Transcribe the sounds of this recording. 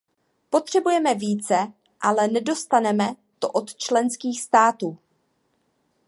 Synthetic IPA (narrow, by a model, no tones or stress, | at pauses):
po̞t̪r̝̥ɛbujɛmɛviːt͡sɛ | ʔalɛnɛdo̞st̪anɛmɛ | t̪oʔot̪t͡ʃlɛnskiːxst̪aːt̪uː